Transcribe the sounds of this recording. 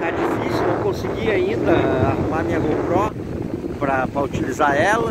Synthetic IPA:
ɛd͡ʒifisjuekõsiɡiaĩnd̪ɐahumaɾmĩɲɐɡopɾɔ̃ | pɾɐpɾɐut͡ʃilizaɛlɐ

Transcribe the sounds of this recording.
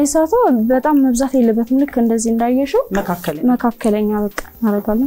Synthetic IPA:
jɛsat̪ʰəwbət̪ʼamːəβzat̪jelːɨbːət̪mɨlɨkːɨnd̪əzːihɨnd̪ajːɛʃɛwəkʰakːəməkʰakʰːələɲːaβəkʼːḁmaɾəɡalːəɲ

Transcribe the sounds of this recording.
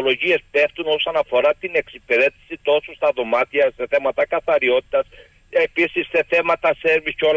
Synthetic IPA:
olo̞ʝie̞spe̞ft̪uno̞sɐnɐfo̞ɾɐt̪ine̞ksipe̞ɾe̞t̪i̥sit̪o̞sust̪ɐðo̞mɐt̪iɐse̞θe̞mɐt̪ɐkɐθɐɾio̞t̪i̥t̪ɐs | e̞pisisːe̞θe̞mɐt̪ɐse̞ɾvisco̞l

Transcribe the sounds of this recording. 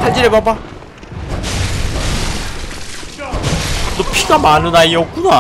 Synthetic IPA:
ad͡ʑiɾebaba | nopʰiɡamanɯnaiok͈una

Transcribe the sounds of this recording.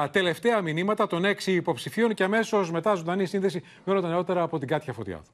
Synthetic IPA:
t̪e̞le̞ft̪e̞ɐminimɐt̪ɐt̪o̞ne̞ksiːpo̞psifio̞nce̞ɐme̞so̞sme̞t̪ɐzuðɐnisinðe̞si | mjonod̪ɐneo̞t̪e̞ɾɐːpo̞t̪iɡɐt̪çɐfo̞t̪ḭɐ̰ðɐ̥

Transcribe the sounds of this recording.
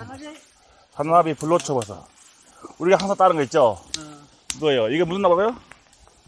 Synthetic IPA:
sʰanabipuɭːot͡ɕʰʌbʌsʰʌ̰ | uɾiɡaɦaŋsʰat͈aɾɯnɡʌit̚t͡ɕ͈o | kɯɡʌejoiɡemusɯnːabasajo

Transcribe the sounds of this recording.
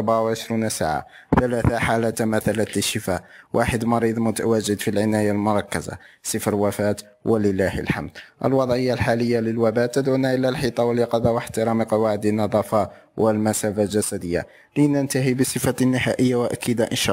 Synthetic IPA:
ʔɑˤbaʕwʕəʃɾunsa̰ʕa̰ | θælæθaħalæt̪mæθælæt̪ləʃːəfæʔwʔaħəd̪mɑɾid̪ˤmʊt̪awæʒɪd̪filʕɪnæjalmʊɾˤɑkːəza̰sˤəfɾwæfæt̪ | wʔəlɪlːæhə̰lħa̰md̪ʔə̰lwɑd̪ˤʕəjːalħaləjːaləlwæbæt̪ːəd̪ʕunaʔəlːælħit̪ˤɑwəljɑqɑd̪awəħt̪ɪɾˤɑməqɑwaʕəd̪ənːɑd̪ˤɑfɑ | wʔəlmæsæfalʒæsæd̪əjːa̰ | lənənt̪aɦibəsˤəfanːɪhæʔəjːawʔæ̰kid̪aʔənʃ

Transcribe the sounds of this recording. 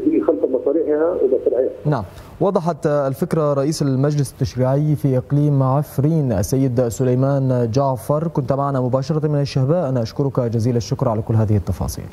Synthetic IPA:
ixalfamɑsˤɑːlɪħhawɪmasɾʕiːhanaʕam | wɑd̪ˤɑħɑt̪ːlfɪkɾaɾˤɑʔiːsalmad͡ʒlɪsɪ̥t̪ːaʃɾiːʕɪjfiːʔɪqliːmʕafɾiːnʔa̰sːajːɪd̪sʊlajmaːnd͡ʒaʕfɑɾˤkʊnt̪maʕanamʊbaːʃɑɾˤɑmɪnaʃːahbaːʔanaʔaʃkʊɾʊkd͡ʒaziːlaʃːʊkɾˤʕalakʊlːɦaːðɪhɪt̪ːɑfɑ̰ːsˤḭːl

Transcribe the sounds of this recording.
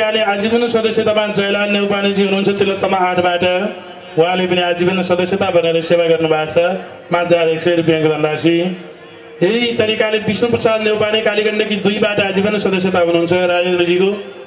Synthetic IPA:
kalead͡zibʌnːosʌd̪ʌsjet̪amãd͡zʌjlalnewpanid͡ziɦunuɦunt͡sʰʌt̪elːat̪ʌmaɦaʈʰbaʈʌ | ɦũɦãlepʌniad͡zibʌnːosʌd̪ʌsjet̪abʱʌneɾʌsebaɡʌrnubʱat͡sʰʌ | mãd͡zaɾeksʌjɾupjaŋkd̪ʌnd̪asʰi | ɦeɦit̪ʌɾikalebisnoprʌsad̪newpanikalikʌɳɖʌkid̪ujbaʈʌad͡zibʌnːosʌd̪ʌsjet̪aɦunuɦunt͡sʰʌɾad͡zend̪ɾʌd͡ziko

